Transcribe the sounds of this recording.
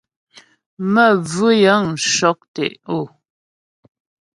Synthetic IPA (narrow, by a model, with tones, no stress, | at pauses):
mə˦˨vʉ˦jə˨˦ŋ̩˨ʃɔ˨˦k̚tɛ̰˨ʔo˦˨